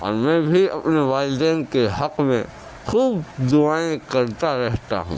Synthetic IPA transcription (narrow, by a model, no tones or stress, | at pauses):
ɔ̰ːɾmɛ̃ːbʱiɐ̰pneʋaːɪld̪ɛːnkeɦɐqmḛ̃ | xuːbd̪ʊaːẽkɐɾt̪aɾɛɦt̪a̰ɦṵ̃ː